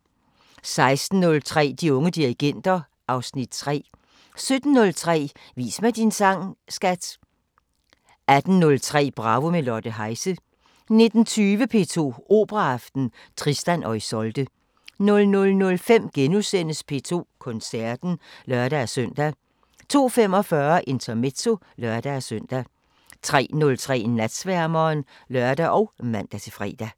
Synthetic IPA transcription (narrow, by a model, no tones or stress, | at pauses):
sɑ̈ɪsd̥n̩ːɔ̽lt͡sʰʁɛ̰ːd̥iɔ̽ŋəd̥iʁiɡ̥en̰d̥ɐ | ʔɑ̈ʊsnid̥̚t͡sʰʁɛ̰ː | sød̥n̩ːɔ̽lt͡sʰʁɛ̰ː | ʋḭːsmæd̥insɑŋ̰sɡ̥æd̥ | æd̥n̩nɔ̽lt͡sʰʁɛ̰ːb̥ʁɑ̈ʋomelɒɐd̥əɦɑ̈ɪsə | ne̝d̥n̩t͡sʰyːʋəpʰe̝̰ːt͡sʰo̝̰ːo̝ːb̥ʁɑɑfd̥n̩ | t͡sʰʁisd̥ænʔɒ̽ɪsɒ̽ld̥ə | nɔ̽lnɔ̽lnɔ̽lfem̰ɡ̥enusen̰əspʰe̝̰ːt͡sʰo̝̰ːkʰɔ̽nsæɐd̥n̩lœɐɾ̥æsøn̰d̥æ | t͡sʰo̝̰ːfem̰ɒ̽fɶːɐʔe̝nt͡sʰɐme̝dso̝ | lœɐd̥æsøn̰d̥æ | t͡sʰʁɛ̰ːnɔ̽lt͡sʰʁɛ̰ːnæd̥sʋæɐmɐːn | lœɶɐd̥æʔɒ̽ʊmæn̰d̥æt͡sʰe̝fʁɛ̰ːd̥æ